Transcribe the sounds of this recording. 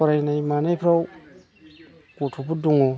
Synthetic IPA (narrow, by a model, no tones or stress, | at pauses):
aɾajnajmanajpʰɾaw | kotʰupuduŋo